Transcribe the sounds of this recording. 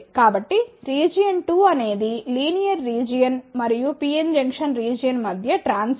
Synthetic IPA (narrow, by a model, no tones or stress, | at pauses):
kaːbɐʈːiɾiːd͡ʒijɐɳʈuːɐne̞ːd̪iliːnijɐɾːiːd͡ʒijɐnmɐɾijupiːend͡ʒɐŋkʂɐnɾiːd͡ʒijɐnmɐd̪ʱjɐʈɾaːns